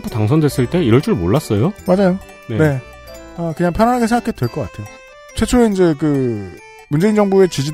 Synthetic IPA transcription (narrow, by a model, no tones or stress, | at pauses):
p͈ʰu̥taŋsʰʌndwe̞s͈ɯɭt͈e̞iɾʌɭt͡ɕ͈uɾɭmoɭːas͈ʌjomad͡ʑajo | nene̞ | ʌkɯɲaŋpʰjʌnanɦaɡesʰeŋɡakʰedwe̞ɭk͈ʌk͈atʰe̞jo | t͡ɕʰwe̞t͡ɕʰoeind͡ʑe̞kɯ | mund͡ʑe̞ind͡ʑʌŋbue̞t͡ɕid͡ʑi